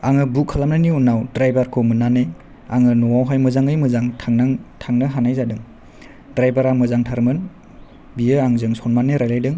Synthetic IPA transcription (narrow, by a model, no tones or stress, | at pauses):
aŋɯbukʰːalamnɯniunawdɾajbaɾkʰomɯnːane | aŋɯnɔwawɦajmɯzaŋɯjmɯzaŋtʰaŋnaŋtʰaŋnɯɦanajzadɯŋ | dɾajbaɾamɯzaŋtʰaɾmɯn | bijɯaŋzɯŋsɔnmaneɾajlajdɯŋ